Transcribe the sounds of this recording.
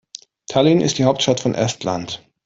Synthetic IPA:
tʰalinɪ̰std̥iːɦaʊp̚tʃtatfɔnʔɛ̰stla̰nt

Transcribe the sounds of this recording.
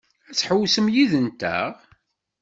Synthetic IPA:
æt͡sːħəwsəmjiðənt̪æ̰ʁ

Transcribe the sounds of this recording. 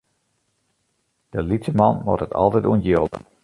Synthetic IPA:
d̥əlitəmɑnʋɔ̰tətʰɑ̰lˠtɛtuənjolˠ

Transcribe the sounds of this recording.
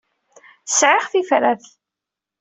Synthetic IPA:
sʕɪʁθifɾæθ

